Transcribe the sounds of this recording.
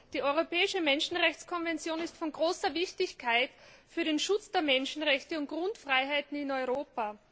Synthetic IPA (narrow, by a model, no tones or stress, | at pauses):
d̥iːɔʏʁopɛːɪʃəmɛnʃn̩ʁɛçt͡skʰɔnvɛnt͡sjoːnɪstfɔnɡʁoːsɐvɪçtɪçkʰaɪtfyːɐɾeːnʃʊt͡sd̥eːɐmɛnʃn̩ʁɛçtəʊnt̚ɡ̥ʁʊntfʁ̥aɪɦaɪtn̩ɪnɔʏʁoːpa